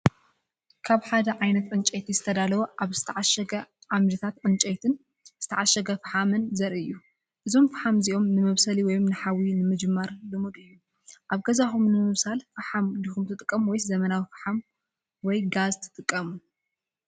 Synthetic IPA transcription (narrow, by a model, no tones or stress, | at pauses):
kʰaβħad̪ɐʕajnɐt̪ʕɨnt͡ʃʼejt̪ʰizɨt̪ʰɐd̪alɐwuʔaβzɨt̪ʰɐʕaʃɐɡɐʕamd̪ɨt̪ʰat̪ʕɨnt͡ʃʼɐjt̪ʰɨn | z̥ɨt̪ʰɐʕaʃɐɡɐfɨħamɨnzɐɾʔɨjːu | ʔɨzo̞mfɨħamziʔo̞mnɨmɐβsɐliwɔjomnɨħawinɨmɨd͡ʒɨmːaɾlɨmud̪ɨjːu | ʔaβɡɐzaxumnɨmɨβsalfɨħamd̪ixumt̪ʰɨt̪ʼɨkʼːɐmwɔjzɐmɐnawifɐ̥ħam | wɔjɡazt̪ʰɨ̥t̪ʼɨkʼːɐmu